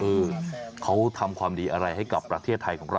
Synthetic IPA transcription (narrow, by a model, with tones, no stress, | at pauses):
ʔɤː˧kʰa˦˥wt̪ʰa˧mkʰwaː˧mdiː˧ʔa˧ɾa˧jɦa˥˩jka˨˩pːɾa˧t̪ʰeː˥˩t̪ʰːa˧jkʰɔː˩˦ŋɾa˧